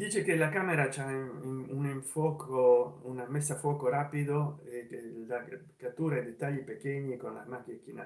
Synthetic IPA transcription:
d̪iːt͡ʃekelakaːmeɾat͡ʃauniɱfwɔːkʰounamesːafwɔːkoɾaːpid̪oela | kat̪ːuːɾad̪et̪ːaʎːipekeɲːikonla̰makːkːina

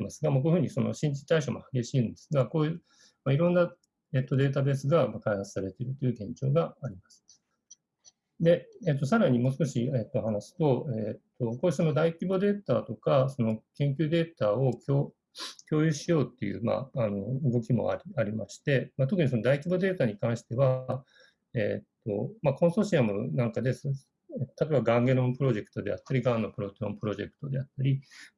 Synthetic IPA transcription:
masɨɡamak̬oːjɯ̟hɯ̟ɲiso̞̰no̞̰ɕĩɲt͡ɕi̥t̪aiɕoːmo̞̰haɡe̞ɕiːɯ̃nd̪e̞sɨɡako̞ːjɯ | maiɾõ̞nːa | eːt̪ːod̪e̞ːt̪̬abe̞ːsɨɡamakaihat͡sɨ̥saɾe̞t̪e̞ɾɯ̟t̪ːo̞jɯ̟ɡẽ̞ɲd͡ʑo̞̰ːɡaːɾʲimasɨ̥ | d̪e̞eːt̪ːo̞saɾaɲ̟imo̞ːsɨ̥ko̞ɕieːt̪ːohanaɕi̥t̪o̞eːt̪ːo̞koːɯso̞no̞d̪aikʲibo̞d̪e̞ːt̪aːt̪o̞kaso̞no̞kẽ̞ŋk̬ʲɨːd̪e̞ːt̪aːo̞kʲo̥ː | kʲo̞ːjɯɕijo̞ːt̪ːe̞̰jɯ̰ːma̰ano̞ɯ̟ɡo̞kʲimo̞̰a̰ɾʲiaɾʲimaɕi̥t̪e̞mat̪okɯ̟ɲ̟iso̞no̞d̪aikʲibod̪e̞ːt̪aɲ̟ikãɰ̃ɕi̥t̪e̞βa | eːt̪ːo̞̰makõ̞ɰ̃so̞ːɕiamɯ̟̰nãŋkad̪e̞s | et̪ːot̪at̪oebaɡãŋɡe̞nõ̞mpɯ̟ɾo̞ʑe̞kɯ̟̥t̪o̞d̪e̞̰a̰t̪ːaɾʲiɡãnːo̞pɯ̟ɾo̞t̪eɾõ̞mpɯ̟ɾo̞ʑe̞̰kɯ̥t̪o̞d̪e̞at̪ːaɾʲi

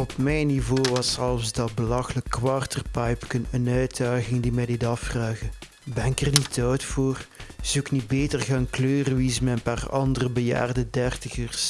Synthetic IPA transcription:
ɔpmɛjnːivoːʋɑsɛlˠfzdɑbəlɑxələkːwɑrtərpɑjpkənənœɥdaːɣɪŋdimɛjdɪtɑfraːɣə | bɛnɪkɛrnitʰœwtfoːrz̥uwɪknid̚beːtərɣaːnkløːrəʋizəmɛnpaːrɑ̰ndərəbəja̰ːrdədɛrtəɣərs

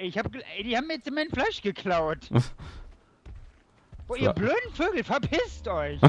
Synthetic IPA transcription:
ɪçhaːbəd̥iːhaːmiːɐjɛt͡sɪnmaɪnflaɪʃɡ̥əkʰl̥aʊt | voːʔiːɐbløːdn̩føːɡl̩fɛɐpʰɪstʔɔʏç

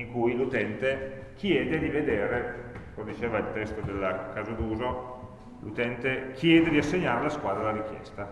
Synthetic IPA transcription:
iŋkujlut̪ɛnt̪e | k̟ʰjɛːd̪ed̪ived̪eːɾekomed̪it͡ʃeːvailt̪ɛst̪od̪elːakazad̪uːzo | lut̪ɛnt̪ek̟ʰjɛːd̪ed̪iasːeɲːaːɾelaskwaːd̪ɾalaɾik̟jɛ̰st̪a

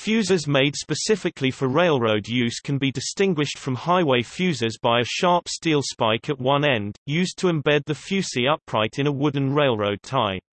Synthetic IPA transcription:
fjʉːzəzmeɪd̥spəsɪfɪkʰlifəɹeɪlˠɹəʊdjʉz̥kʰə̃nbidɪstɪ̃ŋɡwɪʃtfɹə̃mhaɪweɪfjʉːzəzbaɪəʃɑˑɹpstiːlˠspaɪkʰəʔwʌ̃nɛ̃ndjʉːztʰəɛ̃mbɛd̪̚ðəfjʉˑsiʌpʰɹaɪtʰɨ̃ñəwʊdⁿn̩ɹeɪlˠɹəʊd̚tʰaɪ

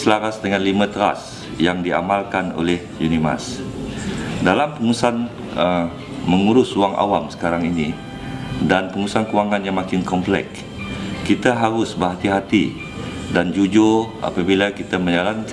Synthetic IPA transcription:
slaɾasdəŋãnlimãt̪əɾa̰s | jaŋdia̰malkano̰lɛhjunima̰s | dalampəŋusan | ə | məŋuɾʊsuaŋʔa̰wamsə̥kaɾaŋini | danpəŋusankuwaŋãnjaŋmakɪnkɔmplɛ̰k | kit̪aɦaɾʊsbəɦat̪iɦat̪i | dand͡ʒud͡ʒoʔa̰pabilakit̪amə̃ɲalank

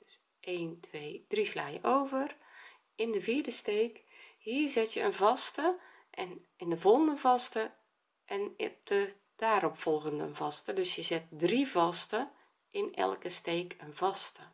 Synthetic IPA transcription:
d̥s | eːntʰʋeːd̥risla̰ːjə̰ʔoːvər | ɪndəviːrdəsteːkhiːzɪtjəənvɔstə | ʔɛn | ɪndəvɔlˠəndənvɑstə | ʔɛndə | d̥aːɾɔpfɔlˠɣəndəənvɔstədøsjəzɪt̚drivɔstə | ʔɪnɛ̰lˠkəsteːkənvɑstə

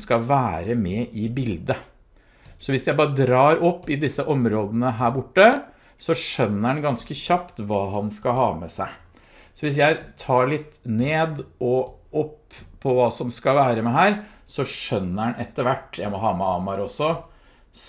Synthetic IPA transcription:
skɑʋæːɾəmɛʔɪbɪld̪ə | sɔʋɪsjæɪbɑːɾəd̪ɾɑːɾɔpːɪd̪ɪsːəʔɔmɾoːd̪ənəɦæːɾbʊʈːə | sɔʂœnːəɾɑnɡɑnskəçɑpt̪ʋɑːɦɑnskɑhɑːmɛsæ̰ɪ | sɔʋɪs̬jæɪt̪ʰɑːɭɪt̪ːneːd̪ʔɔɔpʰːɔʋɑːsɔmskɑʋæːɾəmɛɦæːɾ | sɔʂœnːəɾɑnʔɛt̪ːəɾʋæʈːjæɪmɔɦɑːmɛɑːmɑɾɔsːɔ | s

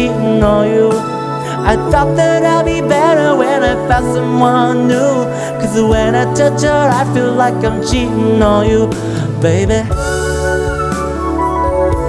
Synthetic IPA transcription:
inɔlˠju | aɪθɔt̪̚ðɨɾaɪlˠbibɛɾə˞wɨ̃naɪθatsʌ̃mwʌnnːu | kʰʌzwɨ̃naɪtʰʌt͡ʃəaɪfilaɪkãɪ̃mt͡ʃʰiɾnɔlˠju | b̥eɪbi

